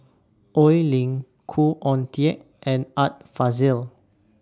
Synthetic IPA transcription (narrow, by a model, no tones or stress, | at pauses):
ʔɔjlĩŋ | kʰuʔɔ̃ntʰiɛʔ | ʔɛ̃nat̚fazil